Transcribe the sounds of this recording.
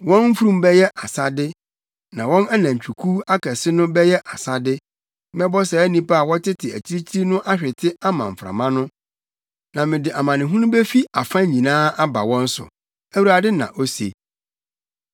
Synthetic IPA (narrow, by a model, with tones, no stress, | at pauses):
wɔ̃˦nm̩˦fu˦ɾũ˦mbɛ˦jɛ˦ʔa˨sa˦dɪ˦ | nã˨wɔ̃˦næ˦nã˨ɲ̩˨t͡ɕᶣu˨kʰuː˦a˦kʰɛ˨sɪ˦nʊ̃˦bɛ˦jɛ˦ʔa˨sa˦dɪ˦ | mɛ˦bɔ˦sɛ˨æ˦nĩ˦pa˦a˦˨wɔ˦tʰɪ˦tʰɪ˨æ˨t͡ɕʰi˦ɾi˦t͡ɕʰi˦nʊ̃˦ʔa˦ɕᶣɪ˨tʰɪ˦a˦mã̰˨m̩˨fɾa̰˨mã˦nʊ̃˦ | nã˨mɪ̃˨dɪ˨ʔa˨mã˨nɪ̃˨ɦũ˦nʊ̃˦bɛ˦fi˦a˨fã˦ɲĩ˨nãː˦a˦ba̰˨wɔ̃˦n̩˦sʊ̰˨ | æ˦wu˦ɾa˨dɪ˦nã̰˨ʔo˦sḛ˨